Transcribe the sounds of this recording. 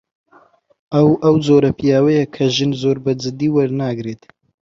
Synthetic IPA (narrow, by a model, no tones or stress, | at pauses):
ɐwʔɐwzoːɾɐpijaːwɐjɐkʰɐʒɨnzoːɾbɐd͡zɨd̪iːwɐɾnaːɡɾeːt̪